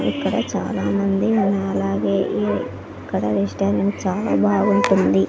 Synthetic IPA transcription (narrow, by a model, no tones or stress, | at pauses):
ikːɐɽɐt͡ʃa̰ːlaːmɐnd̪inːɐɐlaːɡeːʔe | ikːɐɽɐɾiʂʈaːniŋt͡ʃaːla̰ːbʱaːɡuɳʈund̪i